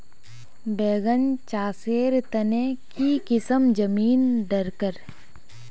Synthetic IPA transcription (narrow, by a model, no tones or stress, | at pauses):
beːɡənt͡ʃaːseːɾt̪ənekikɪsəmd͡ʒəmiːnd̪əɾkəɾ